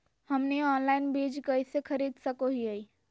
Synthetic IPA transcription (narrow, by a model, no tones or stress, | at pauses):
hɐmneɔːnlaːɪnbeːd͡ʒkɐisekʰɐɾiːd̪sɐkoɦiai